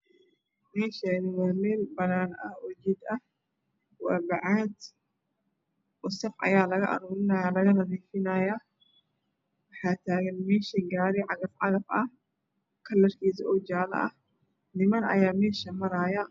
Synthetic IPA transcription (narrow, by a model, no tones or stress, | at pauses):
mɛːʃɐnɪwaːmeːlbɐnaːnɐhwɐd͡ʒid̪ɐh | waːbɐʕaːd̪ | ʔʊsɐfʕɐ̰jaːlɐɣɐ̰ʔɐ̰ɾuːɾɪnɐjalɐɣɐnɐdiːfɪnɐjɐ | wɐħaːt̪ʰaːɣɐnmɛːʃɐɡaːɾɪʕaɡɐfʕa̰ɣɐfɐ | kʰɐlːɐɾkiːsʔɔd͡ʒaːlɐ̰ʔɐ | nɪmɐnɐ̰jaːmeːʃɐmɐɾaːjɐ